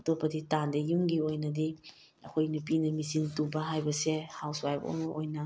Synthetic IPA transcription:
ɐtopːɐditandejuŋɡiojnɐdi | ɐkʰojnup̬inɐmisintubɐɦajbɐsehawswajpo̰mɐʔojnɐ

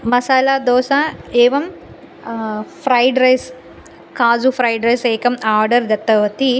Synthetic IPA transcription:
mɐsaːlaːd̪oːsaeːʋɐm | pʰɾɐjɖɾɐjs | kaːzupʰɾɐjɖɾɐjseːkɐmaːɾɖɐɾd̪ɐt̪ːɐʋɐt̪i

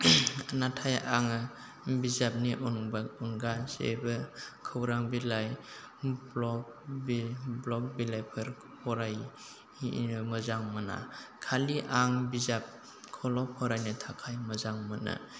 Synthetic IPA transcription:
natʰajaŋ | bizap̚niʔuŋbauŋɡasḛbɯkʰɯwɾaŋbilaj | blɔk̚ | bblɔk̚bilajpʰɯɾ | hɔɾaj | məzaŋmɯna̰kʰaliʔaŋbizap̚ | kʰɔlɔpʰɔɾajnitʰakʰajməzaŋmɯna̰

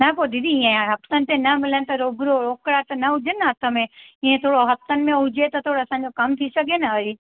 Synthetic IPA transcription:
nɐpoːd̪id̪iĩẽɦɐft̪ənɪ̆t̪ẽnɐmɪlənɪ̆t̪ɐɾoːɡɾoɾoːkɽat̪ɐnɐɦʊd͡ʑənɪ̆ɦɐt̪ʰəmẽĩːẽt̪ʰoːɽoɦɐft̪ənɪ̆mẽɦʊd͡ʑet̪ɐt̪ʰoːɽoɐsãːɲd͡ʑokɐmt̪ʰisɐɡʱenɐɐɾi

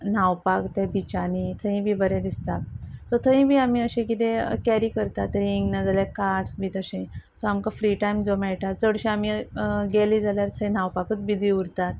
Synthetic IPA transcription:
nawpakt̪ɛ̃bit͡ɕanit̪ʰəɦĩbʱiːbəɾɛ̃d̪ist̪at̪sɔt̪ʰəĩbʱiːamiəɕẽk̬it̪ẽkɛɾiːkəɾt̪at̪ɾiŋɡnəd͡zaljakaɾʈsbʱit̪əɕẽsɔamkafɾiʈajmd͡zomɛɭʈ̪at̪̚t͡səɽɕẽamiɡelid͡zaljaɾt̪ʰəĩnawpakət͡sbid͡z̪ʱiuɾt̪at̪̚

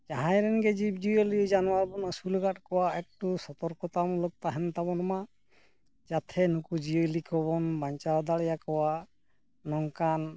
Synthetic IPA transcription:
d͡ʒaɦãjɾɛnɡɛd͡ʒib̚d͡ʒijɔlid͡ʒanɔwaɾbɔnasulɔɡatkɔwaɛk̚tusɔt̪ɔɾkɔt̪amulɔk̚t̪aɦɛnt̪abɔnɔma | d͡ʒat̪ʰɛnukud͡ʒijɔlikʰɔbɔnbaɲt͡ʃaɾd̪aɭɛjakɔwa | nɔŋkan

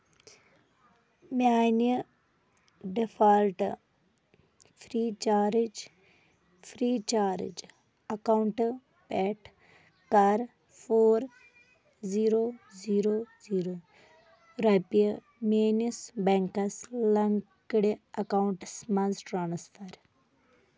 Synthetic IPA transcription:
maːni | ɖifaːlʈ | fʰɾiːt͡ʃaːɾid͡ʒ | fʰɾiːt͡ʃaːɾḭd͡ʒ | ɐkauɳʈ | pɛʈ | kɐɾ | fʰoːɾ | ziːɾoːziːɾoːziːɾo | ɾɐpi | meːnisbeŋkɐslɐŋkiɽiɐkawɳʈsmɐnzʈɾaːnsfɐɾ

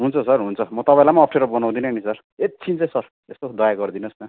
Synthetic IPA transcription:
ɦunt͡sʰʌsʌrɦunt͡sʰʌmʌt̪ʌpãĩlamaːp̚ʰʈʰeɾʌbʌnãw̃d̪ineɦʌnisʌr | et̪̚t͡sʰint͡sãj̃sʌr | est̪od̪ʌjaɡʌrd̪inʌsna

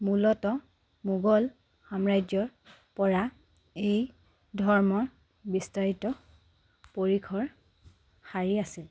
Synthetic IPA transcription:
mulɔtɔ | muɡɔl | xamɹajd͡ʒɔɹ | pɔɹa | ej | dʱɔɹmɔɹ | bistaɹitɔ | poɹikʰɔɹ | xaɹiasil

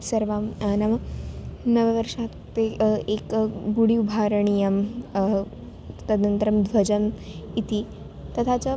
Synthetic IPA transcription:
sɐɾʋamnamɐ | nɐʋəʋəɾʂat̪ː | eekɡuɽibʱaɾəɳijɐm | t̪ɐd̪nənt̪əɾɐmd̪ʋɐd͡ʑɐmit̪i | t̪ɐt̪ʰat͡sə

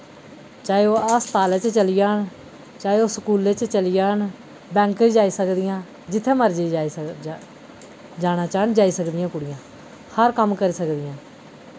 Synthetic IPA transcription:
t͡ʃaːeoːəst̪aːleːt͡ʃt͡ʃəlɪjaːn | t͡ʃaːeoːsəkuːleːt͡ʃt͡ʃəlɪjaːn | bɛ̃ːŋkɾid͡ʒaːiːsəkd̪ɪjãː | d͡ʒɪt̪ʰːẽːməɾd͡ʒiː | d͡ʒaːɽ̃aːt͡ʃaːnd͡ʒaːiːsəkd̪ɪjãːkʊɽɪjãː | həɾkəmkəɾiːsəkd̪ɪjãː

